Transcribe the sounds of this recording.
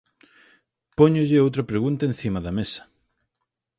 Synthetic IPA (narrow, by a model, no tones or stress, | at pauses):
pɔɲʊʎɪowt̪ɾɐpɾeɣunt̪ɐen̟θimɐðɐmesɐ̥